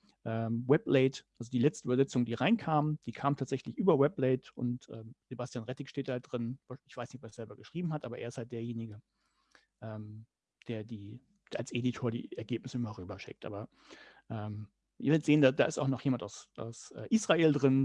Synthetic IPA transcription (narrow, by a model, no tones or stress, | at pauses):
ʔɛːmwɛplɛɪtʔalzodiːlɛt͡stəyːbɐzɛt͡sʊŋəndiːʁaɪnkʰaːmənd̥iːkʰaːmntʰaːtz̥ɛçlɪçʔyːbɐwɛplɛɪtʊ̰ntʔɛ̰ːmz̥ebastjaːnʁɛtɪkʃteːtd̥aht̚d̥ʁɪnaɪçv̥aɪsnɪçtɔpeːɐz̥ɛlbɐɡəʃʁ̥iːbm̩ɦatʔaːbɐʔeːɐɪsthaltd̥eːɐjeːnɪɡə | ʔɛːm | d̥eːɐdi̥ː | ɐalsʔeːditʰoːɐdḭːɛɐɡeːpnɪsəɪmɐʁyːbɐʃɪ̰k̚tʔa̰ːbɐ | ʔɛːm | ɪɐvɪltz̥eːəndaːd̥a̰ːɪstaʊxnɔχjeːmantaʊsʔa̰ʊsʔɛ̰ːʔiːsʁ̥aeːldʁɪn